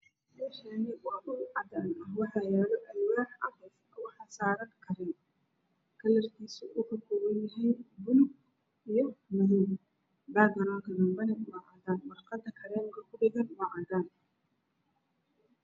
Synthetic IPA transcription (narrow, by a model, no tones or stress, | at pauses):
mɛːʃɐnɪwɑːʔʊʕɑd̪aːnɐɦwɑħɑjɛːlɔʔɛjwɑːħɐɾɛjskʰʊʊħɑsaːɾɐŋkʰɐɾɛn | kʰɐlɐrkʰiːsʊʔʊkʰɐkʰɔːwɐnjɐɦiːnbʊlʊɡ | ijɔmɐðiːm | baːɡɐɾaːŋkʰɐd̪ɐmbɐnɛʔʊwɑʕɑːd̪aːnwɐrqɑd̪ɐkʰɐɾɛːmɪkʰɐkʰʊɖɪɣɐnwɑʕɑd̪aːn